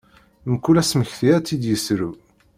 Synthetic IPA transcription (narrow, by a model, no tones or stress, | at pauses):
məkːulæsməçθiæt͡sːid̪jəsɾu